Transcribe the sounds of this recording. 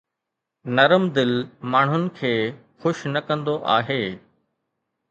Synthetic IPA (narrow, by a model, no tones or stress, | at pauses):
nɐɾəmd̪ɪlmaːɳ̤ʊnɪ̆kʰeːxʊʃnɐkɐ̃nd̪oʔaːɦeː